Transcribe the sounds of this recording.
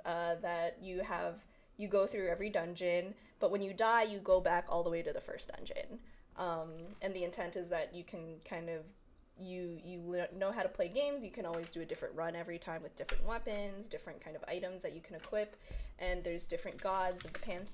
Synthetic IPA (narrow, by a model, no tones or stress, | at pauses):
ʌðɨt͡ʃɨəv | jɨɡoʊθɹʉɛvɹidʌ̃nd͡ʒɨ̃n | b̥ʌt̚wɨ̃njɨdaɪjɨɡoʊbækɔ̰lˠðəweɪɾɨðɨfɜ̰˞sd̥ʌ̰̃nd͡ʒɨ̰̃nʔʌ̃mʔɨ̃nðiɨ̃ntʰɛ̃ntɨzðɨt͡ʃɨkʰɨ̃nkʰãɪ̃ndʌv | jɨjɨlnoʊɦaʊɾəpʰl̥eɪɡẽɪ̃mzjɨkʰɨ̃nɔlˠwizdɨɨdɪfɹɨ̰̃nʔɹʌ̃nɛvɹitʰãɪ̃mwɨðdɪfɹɨ̰̃nʔwɛpɨ̃nzdɪfɹɨ̃nkʰãɪ̃ndʌva̰ɪɾɨ̃mzðɨt͡ʃɨkʰɨ̃nɨkʰw̥ɪp | ʔɨ̃nðə˞zdɪfɹɨ̃nɡ̥ɑdzʌvðəpʰæ̃nθ